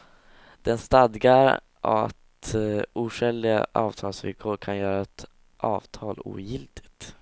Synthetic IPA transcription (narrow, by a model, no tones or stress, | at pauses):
d̪̥ɛnst̪ad̪ɡaɾ | ʔaa̰t̪uːʂɛld̪ɪɡa̰ʔɑːvt̪ʰɑːlsvɪ̰lkʰoːɾkʰanjœːɾaɛt̪ | ʔɑːvt̪ʰɑːlṵːjɪlt̪ʰɪt̪